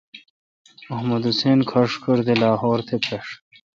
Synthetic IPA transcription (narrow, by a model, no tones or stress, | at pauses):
ɐɦmɐd̪useːnkʰɐʂkʰuɾd̪elaːɦoːɾt̪ʰepʰɐʂ